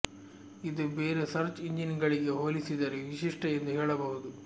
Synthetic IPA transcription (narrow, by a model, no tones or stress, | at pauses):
id̪ubeːɾesɐɾt͡ʃiɲd͡ʒinɡɐɭiɡe̞ɦoːlisid̪ɐɾeʋiʃiʂʈɐjend̪uɦeːɭɐbɐɦud̪u